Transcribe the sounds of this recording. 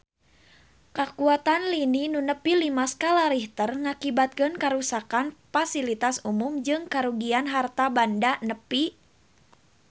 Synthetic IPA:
kakuat̪anlininunəpilimaskalaɾiht̪ərŋakibat̪̚kɨnkaɾusakanfasilit̪asumumd͡ʒɨŋkaɾuɡianɦart̪abandanəpi

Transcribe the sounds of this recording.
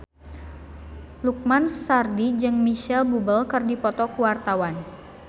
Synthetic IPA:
luk̚mansardid͡ʒɨŋmiʃɛlbubəlkɨrdipɔt̪ɔkuwart̪awan

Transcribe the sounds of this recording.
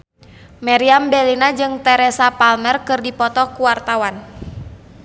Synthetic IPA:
mɛɾiambɛlinad͡ʒɨŋt̪ɛɾɛsapalmɛrkɨrdipɔt̪ɔkuwart̪awan

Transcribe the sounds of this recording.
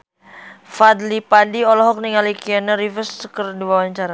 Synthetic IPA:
fad̪lipadiɔlɔɦɔk̚niŋalikianəɾifəstəkərdiwawaɲt͡ʃaɾa

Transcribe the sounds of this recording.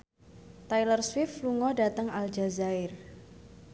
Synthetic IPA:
t̪ajlərswɪfluŋɔdat̪əŋald͡ʒazaɪr

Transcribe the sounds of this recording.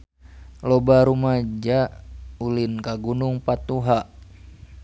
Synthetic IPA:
lɔbaɾumad͡ʒaulinkaɡunuŋpat̪uɦaʔ

